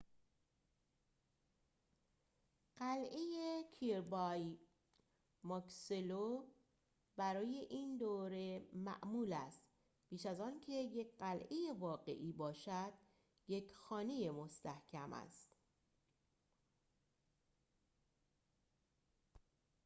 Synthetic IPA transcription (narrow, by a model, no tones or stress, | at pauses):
ɢ̥ælʔejekʰiɾbɒj | mɒkselo | bæɾɒːje̞ʔiːnd̪oːɾe̞mæ̰ʔmuːlæst̪ | b̥iːʃæzɒːncʰe̞jecʰɢælʔeje̞vɒːɣe̞̰ʔiːbɒːʃæd̪̥ | je̞cʰxɒːne̞je̞most̪æhcʰæmæ̰st̪